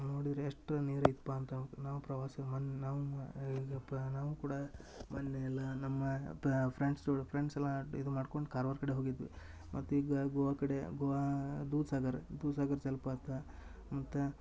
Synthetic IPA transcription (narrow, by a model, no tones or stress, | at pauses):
no̞ːɽid̪ɾɐeʂʈɾɐneːɾɐit̪paːɐnt̪ɐnaːʋupɾɐʋaːsɐmɐnːnaːʋuiɡɐnaːʋukuːɽɐ | mɐnːeɛlːɐnɐmːɐpʰɾeɳɖsoɽpʰɾeɳɖsɛlːɐid̪umaːɖkoɳɖukaːɾʋɐɾkɐɽeɦoːɡid̪ʋḭ | mʔɐt̪ːuiɡɡɔʋakɐɽeɡɔʋad̪uːsaːɡɐɾd̪uːsaːɡɐɾt͡ʃɐlpaːt̪ːɐ | mɐt̪ːu